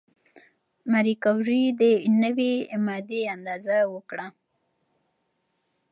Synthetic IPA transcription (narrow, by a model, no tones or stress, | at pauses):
maɾikawɾid̪ənəwemɑd̪eand̪ɑzawəkɽa